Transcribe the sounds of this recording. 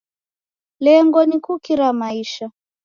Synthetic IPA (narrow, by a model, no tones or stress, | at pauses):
lɛŋɡɔnikukiɾamaiʃa